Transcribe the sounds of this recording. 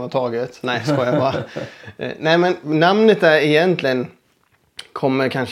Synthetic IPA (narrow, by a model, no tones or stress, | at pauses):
hat̪ʰɑːɡət̪næɪskoːjabɑːɾ | næɪmɛnːamnət̪̚d̪æɾɪjɛnt̪ʰlɪɡən | kʰɔmːəɾkʰanʂ